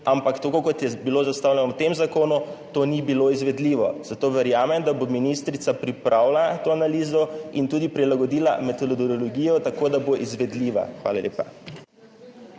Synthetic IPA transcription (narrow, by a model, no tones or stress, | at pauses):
ampakt̪akokɔt̪jɛbiloːzast̪aːwlɛnɔwt̪emzakoːnut̪onibiloizʋɛd̪liːʋɔz̥at̪oːʋɛɾjaːmɛmd̪abominist̪ɾit̪sapɾipɾʔaːwlat̪oːanaliːzɔint̪uːd̪ipɾilaɡɔd̪iːla̰mɛt̪ɔd̪ɔd̪ɔɔlɔɡiːjɔt̪akoːd̪aboʔizʋɛd̪liːʋa̰xʋa̰ːla̰lḛːpa̰